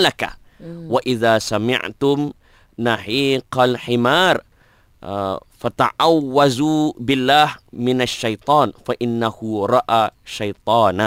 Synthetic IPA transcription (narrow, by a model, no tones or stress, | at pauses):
laka̰ | waʔɪðaːsamɪ̰ʕt̪ʊm | naħiːqalħɪmaːɾˤ | fat̪a̰ʕawːazubɪlːaːhmɪnaʃːajt̪ˤɑːnfaʔɪnːahʊɾˤɑʔaːʃajt̪ˤɑːna